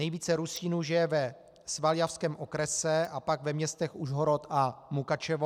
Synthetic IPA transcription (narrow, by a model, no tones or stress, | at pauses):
nɛjviːt͡sɛɾusiːnuʒɪjɛvɛ | svaljafskɛːmʔokɾɛsɛʔapaɡvɛmɲɛst̪ɛxuʒɦoɾot̪amukat͡ʃɛvo